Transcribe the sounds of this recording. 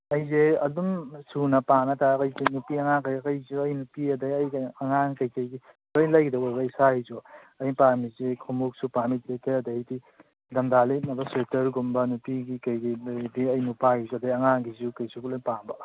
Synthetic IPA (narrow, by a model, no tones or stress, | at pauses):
ɐjzeɐ̰dumsunɐpanɐtakɐjzenupiɐŋaŋkajkɐjzuɐjnupiɐdɐjɐjɐŋaŋkɐjkɐjɡi | lojlajɡidɐwajbɐisaizɔɐjpamizekʰomuk̚supamitekejɐdɐhijti | dɐmdalinɐbɐsetɐɾɡumbɐnupiɡikɐjɡidiɐjnupaizuɐdɐjɐŋaŋɡizukɐjsukulajpaŋbɐ